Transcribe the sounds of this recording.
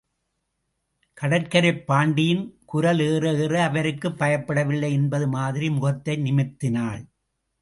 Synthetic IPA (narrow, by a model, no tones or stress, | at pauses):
kɐɽɐrkɐɾɐpːaːɳɖɪjɪnkʊɾɐleːrɐeːrɐɐʋɐɾɯkːɯpːɐjɐpːɐɽɐʋɪlːɐɪɛnbɐðɯmaːðɪɾimʊɣɐt̪ːɐɪnɪmɪt̪ːɪnaːɭ